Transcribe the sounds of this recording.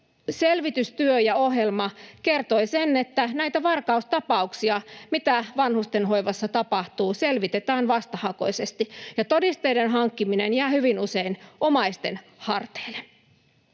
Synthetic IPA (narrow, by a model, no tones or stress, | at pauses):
selʋit̪yst̪yøjɑoɦjelmɑkert̪oisenːet̪ːænæit̪æʋɑrkɑust̪ɑpɑuksiɑmit̪æʋɑnhust̪enɦoiʋɑsːɑt̪ɑpɑht̪uːselʋit̪et̪æːnʋɑst̪ɑhɑko̞̰isest̪ijɑt̪odist̪eidenɦɑŋkːiminenjæːhyʋinuseinomɑist̪en | hɑrt̪e̥ːlːe